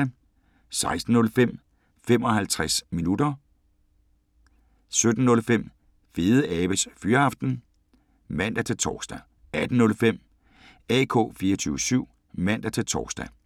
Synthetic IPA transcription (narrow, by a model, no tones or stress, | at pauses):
æ | sɑ̈ɪsd̥n̩nɔ̽lfem̰ | fem̰ɒ̽hælt͡sʰʁasminud̥ɐ | sød̥n̩ːɔ̽lfem̰ | fe̝ːðˠəʔɛːb̥əsfyːɐɑ̈fd̥n̩ | mæn̰d̥æt͡sʰe̝lt͡sʰɒ̰ːsd̥æ | æd̥n̩nɔ̽lfem̰ | ɛkʰo̝̰ːfiːɐt͡sʰyːʊəsyʊ̰ | mæn̰d̥æt͡sʰe̝lt͡sʰɒ̰ːsd̥æ